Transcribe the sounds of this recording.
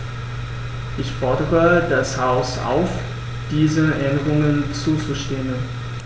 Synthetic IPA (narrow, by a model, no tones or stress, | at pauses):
ʔɪçfɔɐdəʁədashaʊsa̰ʊf | d̥iːzəʔɛndəʁʊŋənt͡suːt͡suʃteːən